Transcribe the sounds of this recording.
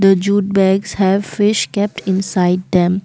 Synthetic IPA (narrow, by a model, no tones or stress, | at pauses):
d̪əd͡ʒuːʈ̚bɛɡz̥hɛʋfɪʃkɛp̚ʈɪ̃nsaɪɖ̚d̪ɛ̃m